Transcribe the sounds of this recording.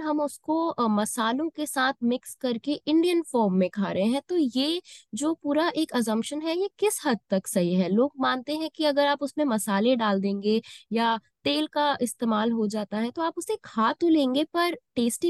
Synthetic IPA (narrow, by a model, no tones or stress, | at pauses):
ɦɐmʊskomɐsaːlõkesaːt̪ʰmɪkskɐɾkeʔɪ̃ɳɖijənfɔːɾmːẽkʰa̰ːɾɐɦẽɦɛ̃t̪ojeːd͡ʒoːpuːɾaʔeːkɐs̬ə̃mpʃənɦɛjekɪshɐd̪̚t̪ɐksɐɦiɦɛːloːɡ̚mãːnt̪eɦɛ̃kiɐɡəɾaːpʊsmẽmɐsaːlẽɖaːld̪ẽːŋɡejat̪eːlkaɪst̪eːmaːlɦod͡ʒaːt̪aɦɛt̪oaːpʊsekʰaːt̪olẽːŋɡepɐɾʈeːsʈi